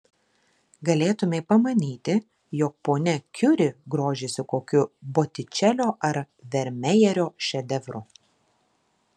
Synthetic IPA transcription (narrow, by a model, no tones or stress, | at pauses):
ɡɐlʲeːt̪ʊmʲepɐmɐnʲiːt̪ʲɪ | jɔk̚poːnʲɛkʲʊɾʲɪɡɾoːʒʲeːsʲɪkoːkʲʊboːt̪ʲɪt͡ʃʲɛlʲoːʔɐɾ | ʋʲɛɾʲmʲɛjɛɾʲoːʃʲɛd̪ʲɛʋɾʊ̰